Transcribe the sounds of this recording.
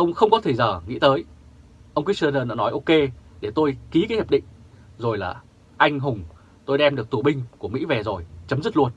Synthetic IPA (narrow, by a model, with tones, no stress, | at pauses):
ʔə˧wŋ͡mxə˧wŋ͡mkɔ˨˦t̪ʰe˧˩zəː˧˩ŋḭ˧˥t̪əː˨˦j | ʔə˧wŋ͡mkw̚sə˧nəː˧na̰ː˧˥nɔ˨˦jʔo˧ke˧ɗe˧˩t̪o˧jki˨˦kaː˨˦jhaː˨˩p̚ɗḭ̈˧˨ŋ̟zo˨˩jlaː˨˩ | ʔa˧jŋ̟ɦʊ˨˩ŋ͡m | t̪o˧jɗɛ˧mɗək̚t̪u˧˩ɓï˧ŋ̟ku˧˩əmḭ˧˥vɛ˨˩zo˨˩jt͡ɕə˨˦mzɨ˦˥t̚lu˧ən